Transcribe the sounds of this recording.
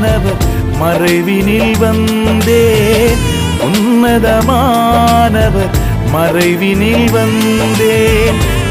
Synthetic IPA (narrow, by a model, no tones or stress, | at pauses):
nɐʋɐɾ | mɐrɐɪʋɪnɪlʋɐn | d̪eːn | ʊnːɐðɐma | nɐʋɐɾ | mɐrɐɪʋɪnɪlʋɐn | d̪eː | n